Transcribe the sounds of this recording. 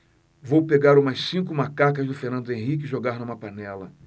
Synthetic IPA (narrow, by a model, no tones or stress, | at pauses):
vowpeɡaɾũmɐssĩkʊmakakɐzd̪ʊfeɾnɐ̃nd̪ʊẽɦik̬ɪʒoɡaɾnũmɐpanɛlɐ